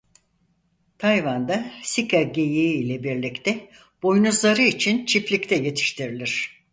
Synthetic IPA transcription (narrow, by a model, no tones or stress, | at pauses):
t̪ʰajvand̪asikʰaɟejiːlʲɛbiɾlʲict̪ʰɛ | b̥o̞jnuzlˠaɾɯit͡ʃʰint͡ʃʰiplʲict̪ʰɛje̞t̪ʰi̥ʃt̪ʰiɾilʲiɾ̝̥